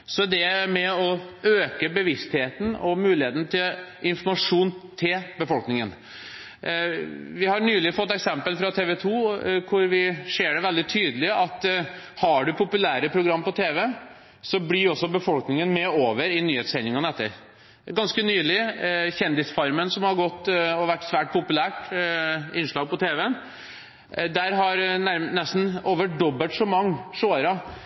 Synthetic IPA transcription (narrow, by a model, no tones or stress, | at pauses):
sɔd̪ɛmɛɔøːkəbəʋɪst̪heːt̪n̩ɔmʉːlɪheːt̪ən̩t̪ʰɪlʔɪnfɔɾmɑʂuːnt̪ʰɪlbəfɔlknɪŋən | ʋɪhɑɾɳyːlɪfɔt̪ːɛksɛmpəlfɾɑt̪ʰeːʋɛt̪ʰuːkʰʊɾʋɪseːɖɛʋɛld̪ɪt̪ʰyːd̪əlɪʔɑt̪ | hɑɖʉpʰʊpʉlæːɾəpʰɾʊɡɾɑmːpɔt̪ʰeːʋə | sɔblɪɔsːɔbəfɔlknɪŋənmɛoːʋəɾɪnyːheːt̪sɛɪnɪŋɑnəɛt̪ːə̰ɾ | ɡɑnskənyːlɪçɛnd̪ɪsfɑɾmənsɔmhɑɾɡɔt̪ːɔʋæʈːsʋæːʈ̚pʰʊpʉlæːʈ | ɪnːʂɭɑːɡ̚pɔt̪ʰeːʋɛn | d̪æɾɦɑɾnæɾnɛst̪n̩oːʋəɖɔbəʂɔmɑŋːʂoːɾɑ